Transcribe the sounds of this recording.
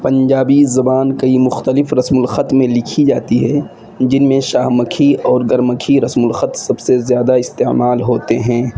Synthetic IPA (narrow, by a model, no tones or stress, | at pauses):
pɐ̃ɲd͡ʒaːbizɐbaːnkɐimʊxt̪əlɪfɾɐsmʊlxət̪mẽlɪkʰid͡ʒaːt̪iɦɛ | d͡ʒɪnmẽʃaːɦməkʰiɔːɾɡɐɾməkʰiɾɐsmʊlxət̪sɐbsezjaːd̪aɪst̪eːmaːlɦoːt̪eɦɛ̃ː